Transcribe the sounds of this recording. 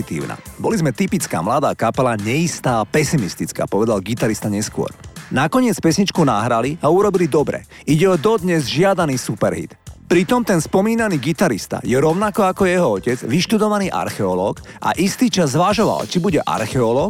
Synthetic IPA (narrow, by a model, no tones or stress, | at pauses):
it̪ḭːʊna̰bɔlizmɛt̪ipit͡ska̰ːmlad̪aːkapɛlaɲɛist̪aːpɛsimist̪it͡ska̰ːpɔʋɛd̪alɡit̪aɾist̪aɲɛskʊɔ̰ɾnakɔɲɪɛt͡spɛsɲit͡ʃkunaɦɾaliauɾɔbilid̪ɔbɾɛ̰ | iɟɛɔd̪ɔd̪ɲɛzʒɪad̪aniːsupɛɾɦḭt̪pɾit̪ɔmt̪ɛnspɔmiːnaniːɡit̪aɾist̪a̰jɛɾɔʊnakɔakɔjɛɦɔɔcɛd͡zʋiʃt̪ud̪ɔʋaniːʔa̰ɾxɛɔlɔːkʔa̰ʔist̪iːt͡ʃazːʋaʒɔʋa̰lt͡ʃibuɟɛʔa̰ɾxɛɔlɔːk